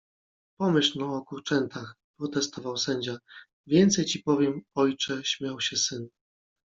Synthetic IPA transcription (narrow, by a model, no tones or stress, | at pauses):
pɔmɘɕlɔɔkuɾt͡ʂɛnt̪ʰax | pɾɔt̪ɛst̪ɔvawsɛɲd͡ʑa | vʲjɛnt̪sɛjt͡ɕipɔvʲjɛmɔjt͡ʂɛɕmʲjawɕɛsɘn